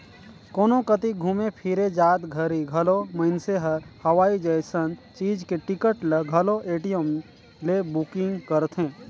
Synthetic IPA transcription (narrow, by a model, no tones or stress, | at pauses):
koːnõkət̪iɡʱuːmepʰɪɾed͡ʒaːt̪ɡʱəɾiɡʱɐloməɪnseɦəɾhɐʋaːid͡ʒəɪsənt͡ʃiːd͡ʒkeʈɪkəʈleɡʱəloʔeːʈijəm | lebukɪ̃ŋɡkəɾt̪ʰɦẽː